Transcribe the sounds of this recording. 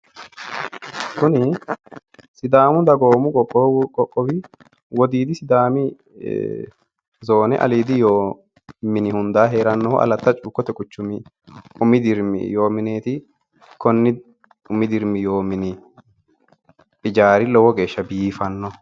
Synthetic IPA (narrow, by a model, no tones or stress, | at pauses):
kʊnɪ | sɪd̪aːmʊd̪ɐɡo̞ːmʊkʼɔkʼːɔkʼɔkʼːɔwɪ | wɔd̪iːd̪ɪsɪd̪aːmɪ̰ | zo̞ːnɛʔɐ̰liːd̪ɪjoː | mɪnɪhʊnd̪aːɦe̞ːɾɐnːɔhɔ̰ʔɐ̰lɐt̪ːɐt͡ʃʼuːkːɔt̪ɛkʼʊt͡ʃːʊmɪ | ʊmɪd̪ɪɾm̰jo̞ːmɪneːt̪ɪ | kɔnːɪ | ʊmːɪd̪ɪɾmɪjo̞ːmɪnɪ | pʼɪd͡ʒaːɾɪlɔwɔɡe̞ːʃːɐbiːfɐnːɔ